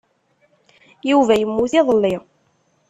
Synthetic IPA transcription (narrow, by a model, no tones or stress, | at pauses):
juvæjəmːuθiðˤəlːi